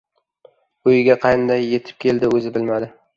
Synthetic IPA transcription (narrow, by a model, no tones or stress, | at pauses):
ʊjɪɡʲaqʰɑjnd̪ajːe̞t̪ʰɪ̥p̚kʲʰe̞ld̪ɪɵzɪbɪlmad̪ɪ